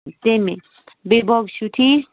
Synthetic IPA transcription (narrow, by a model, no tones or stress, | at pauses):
t̪eme | bebʱɔɡsut̪ʰi